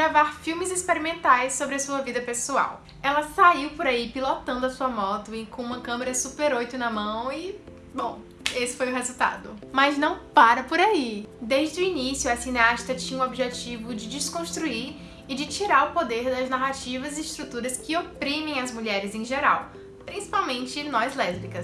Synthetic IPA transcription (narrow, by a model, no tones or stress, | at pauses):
ɡɾavaɾfiwmɪzispeɾimẽnt̪ajsːobɾɪɐsuɐvid̪ɐpesua̰w | ɛlɐsaiwpoɾaipilot̪ɐ̃nd̪ʊɐsuɐmɔt̪ʊɪkõũmɐkɐ̃meɾɐsupeɾojt̪ʊnɐmɐ̃w̃i | bõw̃ | esɪ̥fojʊɦezuwt̪a̰d̪ʊmɐznɐ̃w̃paɾɐpoɾaid̪ejʒd͡ʒɪd̪ʊinisjʊɐsineaʃt̪ɐt͡ʃĩɲɐuobiʒet͡ʃivʊd͡ʒɪd͡ʒɪskõst̪ɾuiɾ | ɪd͡ʒɪt͡ʃiɾaɾʊpod̪eɾd̪ɐznaɦat͡ʃivɐzɪɪʃt̪ɾut̪uɾɐskɪopɾĩmẽj̃ɐzmuʎɛɾɪzẽʒeɾa̰w | pɾĩsi̥pawmẽnt͡ʃɪnɔjzlɛzbikɐ